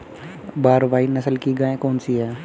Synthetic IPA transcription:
baːɾʋaːinɐsəlkiɡaːẽkoːnsiɦɛː

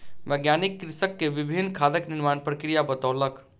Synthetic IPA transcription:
ʋəɡjanikːɾisəkːeʋibʱinːkʰad̪əkniɾmanpɾəkɾijabət̪əʊlək

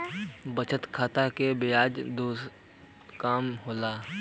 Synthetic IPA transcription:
bət͡ʃʰət̪kʰaːt̪akebɪjaːd͡ʒd̪oːs | kaːmɦoːlaː

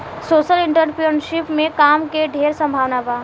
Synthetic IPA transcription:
soːʃəlɪɳʈəɾpiənʃɪpmẽkaːmkeɖʱeːɾsə̃mbʱaːʋnaba

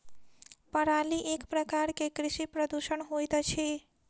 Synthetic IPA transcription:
pəɾaliʔekpɾəkaɾkekɾiʃipɾəd̪uʃənɦojt̪t͡ʃʰi

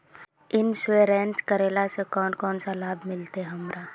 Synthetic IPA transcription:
ɪnsweɾɛ̃ːnt͡ʃkəɾeːlasekɔːnkɔːnsalaːbʱmɪlt̪eɦɐmɾaː

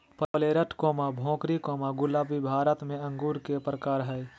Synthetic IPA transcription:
pəəleːɾəʈkoːmabʱõːkɾikoːmaɡʊlaːbibʱaːɾət̪mẽə̃ŋɡuːɾkepɾəkaːɾɦɛj

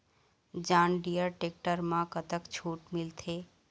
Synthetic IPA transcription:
d͡ʒãːnɖijəɾʈeːk̚ʈəɾmãkət̪əkt͡ʃʰuːʈmɪlt̪ʰeː

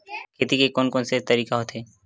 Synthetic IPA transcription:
kʰeːt̪ikekɔːnkɔːnset̪ɐɾiːkaɦoːt̪ɦeː

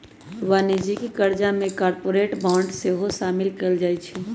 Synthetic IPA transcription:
ʋaːnid͡ʒikikəɾd͡ʒamẽkaːɾpoːɾeːʈbãːɳɖseɦoʃaːmɪlkəld͡ʒaːit͡ʃʰɛ

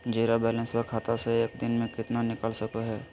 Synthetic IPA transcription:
d͡ʒeːɾabɛːlɛ̃nspəɾkʰaːt̪aseeːkd̪ɪnmẽkɪt̪nanɪkəlsɐkoɦɛː

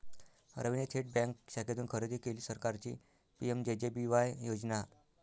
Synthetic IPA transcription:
ɾəʋinet̪ʰeʈ̚bɛ̃ŋkɕakʰet̪uːnkʰəɾed̪iːkeliːsəɾkaɾt͡ɕḭ | piemd͡ʑed͡ʑebiʋajjod͡zna

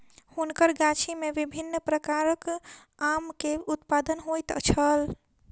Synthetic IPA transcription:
hunkəɾɡat͡ʃʰimeʋibʱinːpɾəkaɾək | amkeut̪pad̪ənɦojt̪t͡ʃʰəl

